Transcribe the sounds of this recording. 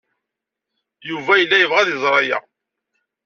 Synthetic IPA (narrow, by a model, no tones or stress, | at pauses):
juvæjəlːæjəvʁæðəzˤɾˤɑjæ̰